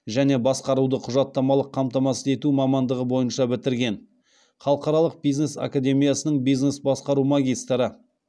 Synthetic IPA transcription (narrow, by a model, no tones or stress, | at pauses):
ʒæne̞bɑsqɑɾud̪əqʰʊʒɑt̪ːɑmɑlˠəqʰːɑmt̪ɑmɑsəe̞t̪umɑmɑnd̪əʁəbo̞jənʃɑbɪt̪ɪɾɡʲe̞n | χɑlˠəqɑɾɑlˠəq̚bijzne̞sa̰kad̪ʲe̞mijɑsənəɴbijznesbɑsqɑɾumaɡʲijst̪ɾə